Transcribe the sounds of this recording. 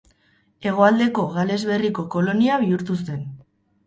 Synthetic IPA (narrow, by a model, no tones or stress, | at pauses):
e̞ɣ̞o̞ald̪e̞ko̞ɣale̞zβe̞riko̞ko̞lo̞niaβiuɾt̪use̞n